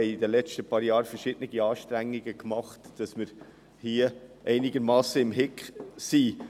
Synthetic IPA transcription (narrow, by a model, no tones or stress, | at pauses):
ɛɪid̪əlɛt͡stəpɑːɾjɑːɾfəɾʃɪd̥nɪɡ̥iɑːʃtɾæŋːiɡəkmɑχtd̥ɑsmɪɾ | hiəʔɛɪniɡəɾmɑːsəɪmɦɪkχsi